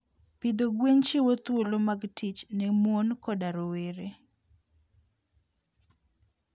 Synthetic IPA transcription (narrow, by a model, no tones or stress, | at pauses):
pid̪oɡweɲt͡ʃɪwot̪wolomaɡtʰit͡ʃnɛmwonkɔdaɾoweɾe